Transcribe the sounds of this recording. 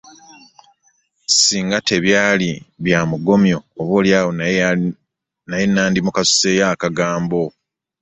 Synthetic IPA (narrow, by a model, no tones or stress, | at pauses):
siːŋɡate̞βjaːliβjaːmuɡo̞mjo̞ːβo̞ːljaːwo | najenːaːndimukasu̥se̞jakaɡaːmbo̞